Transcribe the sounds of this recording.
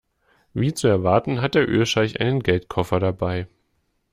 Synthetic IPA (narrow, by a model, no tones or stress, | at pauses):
viːt͡suɛɐvaɐtn̩ɦat̚d̥eːɐʔø̰ːɐʃaɪçʔa̰ɪnənɡɛltkʰɔfɐɾabaɪ